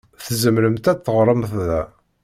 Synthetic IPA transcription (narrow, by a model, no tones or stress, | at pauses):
θzəmɾəmt̪æθːəʁɾˤəmθðæ